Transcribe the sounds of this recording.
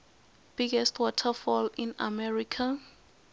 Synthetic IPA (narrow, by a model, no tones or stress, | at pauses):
b̥iɡɛstʰwɔtʰafɔlĩna̰mɛɹikʰa